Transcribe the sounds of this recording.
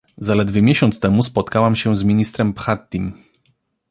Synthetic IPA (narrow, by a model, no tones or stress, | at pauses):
zalɛd̪vʲɛmʲjeɕɔnt̪st̪ɛmus̬pɔt̪kawamɕɛ̃zmʲiɲist̪ɾɛmpxat̪ʲːim